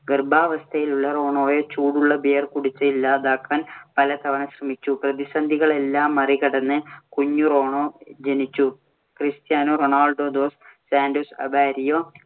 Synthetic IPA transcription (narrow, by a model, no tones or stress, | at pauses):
ɡɐrbaːʋɐst̪ʰɐjiluɭːɐro̞ːɳo̞ːjot͡ɕuːɽuɭːɐbejɐrkuɽit͡ɕːɐilːaːd̪aːkːaːnpɐlɐt̪ʰɐʋɐnɐɕrɐmit͡ɕːuprɐðisɐnd̪ʱiɣɐɭe̞lːaːmːɐriɣɐɽɐnːɨkuɲːuro̞ːɳoːd͡ʑenit͡ɕːu | krist̪jaːnoːroɳaːlɖoːd̪o̞ːssaːndoːsɐ̰baːɾijoː